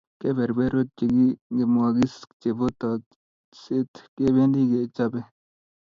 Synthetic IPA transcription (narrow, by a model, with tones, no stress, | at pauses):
ke˦be˨ɾbe˦ɾo˦t̪̚t͡ʃi˨ɡi˦ɡe˨muaɡi˦st͡ʃe˨bo˦t̪a | se˦t̪ke˦be˦nd̪i˦ɡe˨t͡ʃa˦be˦